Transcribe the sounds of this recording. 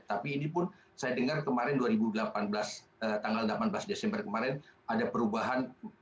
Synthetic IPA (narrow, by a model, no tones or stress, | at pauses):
t̪apiːnipʊn | sajadəŋarkəmaɾɛnduaɾibudəlapanblasət̪aŋɡaldəlapanbəlasdesɛmbərkəmaɾɛnadapəɾubaɦan